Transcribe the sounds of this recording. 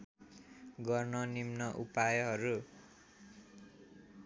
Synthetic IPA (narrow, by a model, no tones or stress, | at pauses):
ɡʌrnʌnimnʌʔupajʌɦʌɾu